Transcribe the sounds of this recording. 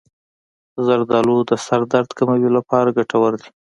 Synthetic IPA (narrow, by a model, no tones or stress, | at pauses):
zaɾd̪ɑlod̪əsaɾd̪aɾd̪kamawilapɑɾaɡaʈawəɾd̪i̥